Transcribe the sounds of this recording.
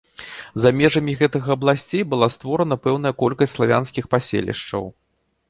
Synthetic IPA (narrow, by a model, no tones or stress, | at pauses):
zamʲɛʐɐmʲiɣɛt̪ɨɣɐɐblˠasʲt͡sʲejbɨlˠast̪vɔɾɐnɐpɛwnɐjɐkɔlʲkɐsʲtʲslˠavʲa̰n̪skʲixpasʲḛlʲḭʂt͡ʂɐ̰w